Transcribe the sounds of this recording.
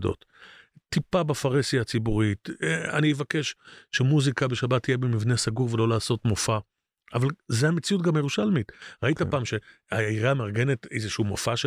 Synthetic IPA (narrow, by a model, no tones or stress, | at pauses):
do̰t | tːipabafaʁesiat͡sibuʁita̰nievake̞ʃʃe̞muzikabe̞ʃabatije̞bemivnesaɡuʁvelo̞laːso̞tmofa | ʔavalzeamet͡siut̚ɡamjeʁuʃalmitʁaitapaːmʃe̞ | aiʁaːmaʁɡe̞ne̞tḛjzeʃuuːmofaʃe